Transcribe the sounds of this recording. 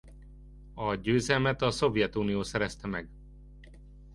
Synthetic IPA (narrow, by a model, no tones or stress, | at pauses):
ɒɟøːzɛlmɛt̪ɒso̞vjɛt̪uːnijoːsɛɾɛst̪ɛmɛɡ